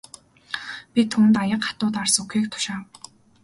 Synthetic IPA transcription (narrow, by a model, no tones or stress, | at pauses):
pʲit̪ʰuːnt̪ajə̆qχḁt̪ʊːt̪arsɵxeːkt̪ʰʊ̥ʃaːw